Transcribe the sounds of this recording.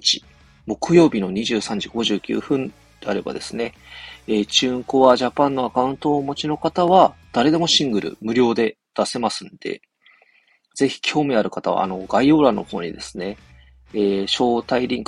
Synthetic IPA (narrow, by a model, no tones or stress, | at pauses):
t͡ɕi̥ | mo̞kɯ̟jo̞ːbʲino̞ɲ̟iʑɨːsãɲ̟d͡ʑiɡo̞ʑɨːkʲɨ̰ːɸɯ̟̃n | d̪̥e̞aɾe̞ba̰d̪e̞sɨne̞ | eːt͡ɕɨːŋko̞βaʑapãnːo̞akaɯ̟̃nt̪o̞ːmo̞t͡ɕino̞kat̪aβ̞ad̪̥aɾe̞d̪e̞mo̞ɕĩŋɡɯ̟ɾɯ̟̰mɯ̟ɾʲo̞ːd̪e̞ | d̪̥ase̞masɨ̃nd̪̥e̞̰ | z̥e̞çi̥kʲʰo̞ːmʲiaɾɯ̟kat̪aβa̰ːno̞ɡaio̞ːɾano̞̰ho̞ːɲ̟id̪e̞sɨ̥ne̞ː | ɕo̞ːt̪aiɾʲĩŋk